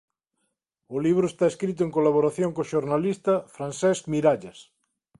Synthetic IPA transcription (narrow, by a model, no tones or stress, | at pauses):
oliβ̞ɾoest̪aeskɾit̪̬oeŋkolaβ̞oɾaθjoŋkoʃoɾnalist̪afɾansɛskmiɾaʎas